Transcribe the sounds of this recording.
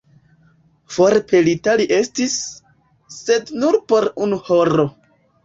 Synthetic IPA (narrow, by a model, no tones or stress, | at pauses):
foɾpʰelitaliʔe̞stisː | e̞dnuɾpo̞ɾunuhoɾo̞